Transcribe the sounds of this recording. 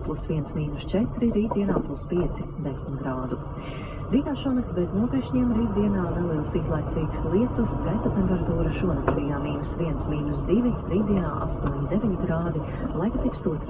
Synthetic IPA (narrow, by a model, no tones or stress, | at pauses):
plˠusʋiɛnsmiːnust͡ʃɛt̪ɾiɾiːt̪̚d̪iɛnaːplˠuspiɛt̪sid̪esmt̪ɡɾaːd̪u | ɾiːt̪aːʃuɔnɛk̚t̪ʲbɛznuɔpʲiɛʃɲiɛmɾiːt̪̚d̪iɛnaːnɛlˠiɛlˠsizlˠajt̪siːɡslˠiɛt̪usɡasat̪ɛmpɛɾat̪uːɾaʃuɔnak̪ʲijaːmiːnusviɛnsmiːnusd̪ivʲiɾiːt̪d̪iɛna̰ːʔa̰st̪uɔɲʲid̪evʲiɲiɡɾaːd̪i | lˠajkat̪ipsuɔt̪ɾ